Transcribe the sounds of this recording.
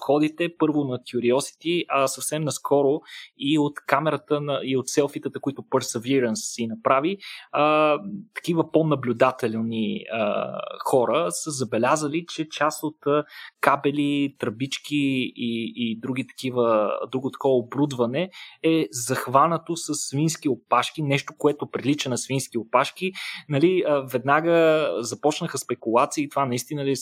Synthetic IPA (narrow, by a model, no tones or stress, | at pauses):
fxɔd̪it̪ɛpɤɾvʊnɐkʲjʊɾiɔsi̥t̪iʔɐsɐfsɛmnɐskɔɾʊiot̪kamɛɾət̪ənɐiot̪sɛlˠfit̪ət̪əkʊit̪ʊpɛɾsɛviɾənsːinɐpɾaviət̪ɐ̥k̟ivəponɐblʲʊd̪at̪ɛllˠniə̰xɔɾəsəzɐbɛlʲazəlit͡ʃɛt͡ʃast̪ot̪kabɛlit̪ɾɐbit͡ʃkiiːd̪ɾuɡ̟it̪ɐ̥kivəd̪ɾuɡot̪ɐ̥kɔvəobɾud̪vɐnɛɛzɐxvanət̪osəsːvinskiopaʃkinɛʃt̪okoɛt̪ʊpɾilit͡ʃɛnɐsvinskiopaʃkinɐliəvɛd̪naɡəzɐpɔt͡ʃnəxəspɛkulˠat̪siəːt̪ovanɐist̪inəli